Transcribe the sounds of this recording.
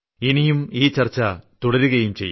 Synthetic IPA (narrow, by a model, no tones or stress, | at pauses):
inijumiːt͡ɕɐrt͡ɕːɐt̪uɽɐɾuɣɐjumt͡ɕejː